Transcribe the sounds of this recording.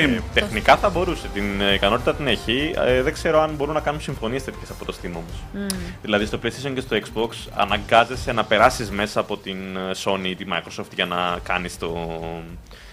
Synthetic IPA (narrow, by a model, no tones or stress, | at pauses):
it̪exnikɐθɐbo̞ɾuse̞t̪inikɐno̞t̪it̪ɐt̪ineçiðeɡ̥se̞ɾo̞ɐnbo̞ɾunɐkɐnunsiɱfo̞nie̞sθe̞t̪i̥ce̞sɐpo̞t̪o̞st̪imomosðilɐðist̪oplest̪isoɲce̞st̪o̞ekzboksɐ̰nɐŋɡɐze̞senɐpe̞ɾɐsizme̞sɐːpo̞t̪inso̞niit̪imɐ̰ikɾosoft̪ʝɐnɐkɐnist̪o̞